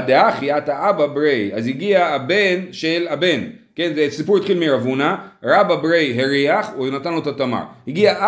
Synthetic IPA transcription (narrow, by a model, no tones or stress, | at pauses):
d̪eaχiataababɾejaziɡiaabenʃelabe̞n | ke̞nzesipuɾit̪χilmiɾavunaɾababɾejɦeɾiaχnat̪anlotatama̰ʁhiɡiaʔ